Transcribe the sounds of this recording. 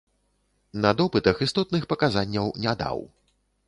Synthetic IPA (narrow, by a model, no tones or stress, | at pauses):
nɐd̪ɔpɨt̪ɐxist̪ɔt̪nɨxpɐkazanʲːɐwnʲad̪a̰w